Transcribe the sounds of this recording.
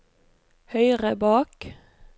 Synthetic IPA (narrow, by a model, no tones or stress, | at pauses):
hœʏʁəbɑːk